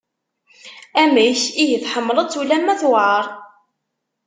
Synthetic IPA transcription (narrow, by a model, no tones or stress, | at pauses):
æmæjçijəθħəmːləðˤt͡sːulæmːæθwʕəɾˤ